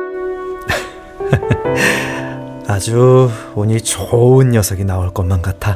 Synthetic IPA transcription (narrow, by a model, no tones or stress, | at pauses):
ad͡ʑuoɲit͡ɕoɯnjʌsʰʌɡinaoɭk͈ʌnmank͈atʰa